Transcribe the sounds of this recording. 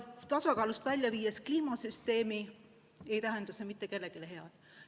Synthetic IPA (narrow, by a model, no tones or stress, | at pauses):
t̪ɑsɑkɑːlust̪vælʲjɑviːjeskliːmɑsyst̪e̞ːmi | e̞jt̪æɦend̪ɑse̞mit̪ːˑe̞ke̞lːe̞kileɦe̞ɑd̪̥